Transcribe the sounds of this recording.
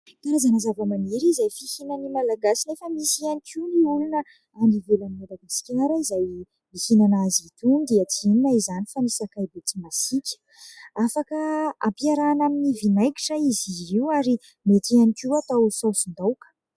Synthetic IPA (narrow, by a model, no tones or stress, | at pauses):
t̪aɾazanazavamaneɾizajfihinanimalaɡasilefəmisianikʲʰiwniulinə | anivelanimalaɡaskʲaɾəizaj | mihinanazit̪und̪iət͡sininaizanifanisakajbet͡simasikʲə̥ | afakəa̰mpiaɾanaminivinajki̥ʈ͡ʂəiziiwaɾi | met̪eanikʲiwat̪awsosund̪awkə̥